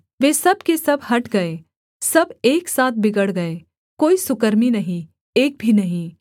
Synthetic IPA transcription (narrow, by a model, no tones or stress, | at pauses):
ʋeːsɐbkesɐbhɐʈɡɐeː | sɐbeːksaːt̪̚ʰbɪɡəɽɡɐeː | koːisʊkəɾminɐɦĩ | eːk̚bʱinɐɦĩ